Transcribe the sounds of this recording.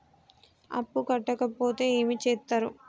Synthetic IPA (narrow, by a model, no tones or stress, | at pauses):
ɐ̰pːukɐʈːɐkɐpo̞ːt̪e̞ːeːmit͡ʃɛːt̪ːaːɾu